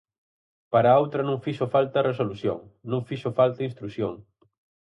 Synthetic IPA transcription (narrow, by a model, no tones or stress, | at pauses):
paɾaowt̪ɾɐnũŋfiʃofalt̪ɐresoluθjo̰ŋnũŋfiʃofalt̪ɐinst̪ɾuθjoŋ